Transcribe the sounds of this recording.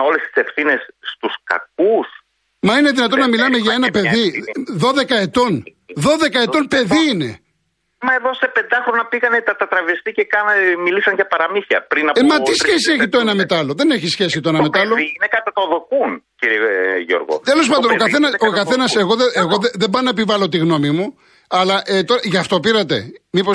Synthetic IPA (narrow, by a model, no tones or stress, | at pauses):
o̞le̞st̪i̥se̞fθine̞sːt̪uskɐ̰k̚us | mɐine̞ðinɐt̪o̞nːɐmilɐme̞ʝɐe̞nɐpe̞ðiðo̞ðe̞kɐe̞t̪o̞n | ðo̞ðe̞kɐe̞t̪o̞npe̞ðiine̞ | mɐe̞ðo̞se̞pe̞nd̪ɐxɾo̞nɐpiɣɐnet̪ɐt̪ɐt̪ɾɐvest̪icekɐnɐmilisɐnʝɐpɐɾɐmiθɐ̰pɾinɐpemɐt̪isçe̞sieçit̪oe̞nɐmet̪ɐlo̞ðe̞ne̞çisçe̞sit̪oe̞nɐme̞t̪ɐlo̞inekɐɐt̪ðokunciɾieʝo̰ɾɣo̰t̪elo̞s̬pɐnd̪onokɐθe̞nɐsokɐθe̞nɐse̞ɣo̞ðeeɣo̞ðeðebɐnɐepivɐlo̞t̪iɣno̞mimu | ɐlɐʔet̪oɾɐʝɐft̪o̞piɾɐt̪e̞̰mipo